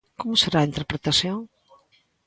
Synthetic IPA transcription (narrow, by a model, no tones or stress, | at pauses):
komʊseɾaːint̪eɾpɾet̪asjõŋ